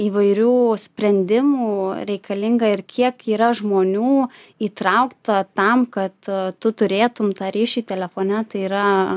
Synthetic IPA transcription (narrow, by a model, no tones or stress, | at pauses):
iːʋɐɪɾʲuːsʲpʲɾʲɛnʲd̪ʲɪmuːɾʲɛɪkɐlʲɪŋɡɐɪɾkʲiɛkiːɾɐʒmoːnʲuː | iːt̪ɾɐʊkt̪ɐt̪ɐmkɐt̪tʊt̪ʊɾʲeːt̪ʊmt̪ɑːɾʲiːʃʲiːt̪ʲɛlʲɛfoːnʲɛt̪ɐɪiːɾɐ